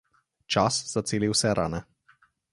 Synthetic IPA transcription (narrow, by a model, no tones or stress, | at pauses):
t͡ʃasz̥at̪seːliwsɛɾʔa̰ːnɛ